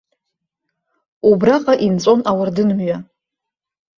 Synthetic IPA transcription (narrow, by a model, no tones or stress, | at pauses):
ubraqʼaʔint͡sʼo̞nawʊrdɨnmɥa